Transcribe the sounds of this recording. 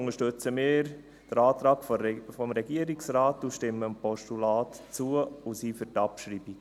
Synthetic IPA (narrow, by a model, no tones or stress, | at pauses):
ʊŋəʃtʏt͡səmɪːɾ | d̥əɾɑːtɾɑːɡfɔmɾɛɡiəɾiksraːtuʃtɪməmpɔʃtulaːtt͡suəusiːfəɾtɑpʃɾiːbi